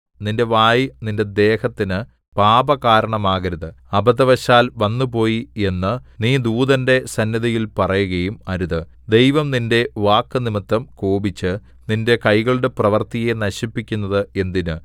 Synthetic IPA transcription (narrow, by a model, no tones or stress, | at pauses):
ninde̞ʋaːjininde̞d̪e̞ːhɐt̪ːinɨ | paːbɐkaːɾɐɳɐmaːɣɐɾɐðɨ | ɐbɐðɐʋɐɕaːlʋɐnːup̬o̞ːjie̞nːɨniːd̪uːðɐnde̞sɐnːɐðijilpɐrɐjuɣɐjumɐɾuðɨ | d̪e̞jʋɐmninde̞ʋaːkːɨnimit̪ːɐmkoːbit͡ɕːɨ | ninde̞kɐjɣɐɭuɽe̞prɐʋɐrt̪ije̞nɐɕipːikʲːunːɐðɨe̞nd̪inɨ